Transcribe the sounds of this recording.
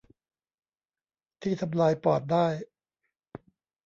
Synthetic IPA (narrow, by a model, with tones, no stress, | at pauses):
t̪ʰiː˥˩t̪ʰa˧mlaː˧jpɔː˨˩t̪̚daː˥˩j